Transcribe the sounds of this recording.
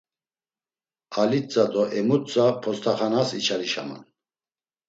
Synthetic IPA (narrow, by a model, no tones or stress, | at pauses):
alit͡sʼad̪ɔʔɛmut̪t͡sʼapʰɔst̪ʰaχanasit͡ʃʰaɾiʃama̰n